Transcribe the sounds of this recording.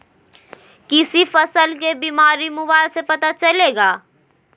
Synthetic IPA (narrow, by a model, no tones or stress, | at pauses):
kɪsifɐsəlk̬ebiːmaːɾimʊbaːɪlsepɐt̪at͡ʃɐleːɡaː